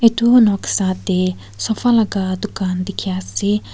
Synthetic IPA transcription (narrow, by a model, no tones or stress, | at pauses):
et̪unɔksat̪e | sɔfalaɡad̪ukand̪ikʰjase